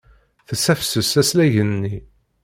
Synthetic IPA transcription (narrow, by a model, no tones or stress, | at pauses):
θəsæfsəsæslæʝənːi